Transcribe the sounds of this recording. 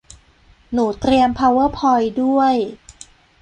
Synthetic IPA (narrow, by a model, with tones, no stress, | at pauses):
nuː˩˦t̪ɾi˧əmpʰa˧wɤː˥˩pʰɔ˧jdu˥˩əj